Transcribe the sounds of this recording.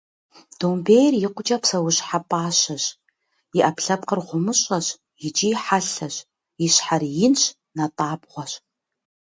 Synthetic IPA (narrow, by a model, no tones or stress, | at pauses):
d̥ombeːjrjɪqʷʊt͡ʃʼɐpsɐwʊɕħapʼaːɕɐɕ | jɪʔɐpɬɐp̚qərʁʷʊmɨɕʼɐɕ | jɪt͡ʃʼiːħaɬɐɕ | jiɕħarjɪnɕ | nɐtʼaːbʁʷɔɕ